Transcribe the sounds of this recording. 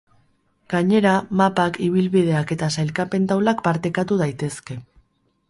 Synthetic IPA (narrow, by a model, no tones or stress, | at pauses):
ɡ̥aɲe̞ɾamapakʰiβ̞ilβiðe̞ake̞t̪asajlkape̞nt̪awlakpaɾt̪ekat̪uð̞ajt̪e̞ske̞